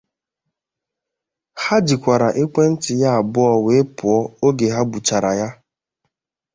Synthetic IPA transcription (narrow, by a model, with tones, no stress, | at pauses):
ha˦d͡ʒi˨kʷa˨ɾa˨ʔi˦kʷe˦n̩˦tɪ˨ja˦a˨bʊ˦ɔ˦we˨˦pʊ˨ɔ˦o˦ɡe˨ɦa˦ɡ͡bu˨t͡ʃa˨ɾa˨ja˦